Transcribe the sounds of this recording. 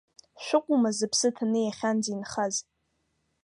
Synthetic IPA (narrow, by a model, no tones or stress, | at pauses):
ʃᶣʷʊqʷʼumazɨpʰsɨtʰanɨjaχʲand͡zinχaz